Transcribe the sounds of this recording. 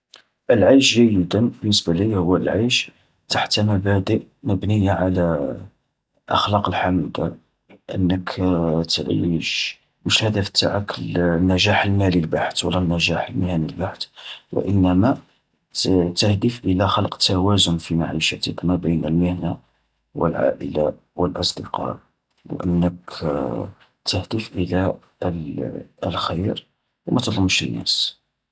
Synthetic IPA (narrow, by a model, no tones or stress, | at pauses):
ʔəlʕajʃʒəjːəd̪ənbənːəsbæləhʊwːælʕajʃ | t̪aħt̪mæbæd̪əʔməbnəjaʕalæ | ʔɑ̰xlɑqəlħaməlkæ̰ | ʔə̰nːəkʰt̪ʕḭʃ | məʃhæd̪æfə̥t̪ːa̰ʕaklnːæʒaħəlmælilbaħt̪wə̰lːænːæʒaħəlmhænilbaħt̪wə̰ʔənːæmæ | t̪əhd̪əfʔəlæxɑlqt̪ːæwæzʊnfimaʕiʃæt̪əknæbəjnəlməhna | wə̰lʕa̰ʔəla̰ | wəlʔɑsˤd̪əqɑ̰ | wʔə̰nːək | t̪əhd̪əfʔəlæ | əlxəjɾ | wmʔæt̪lˤəmːʃənːæ̰s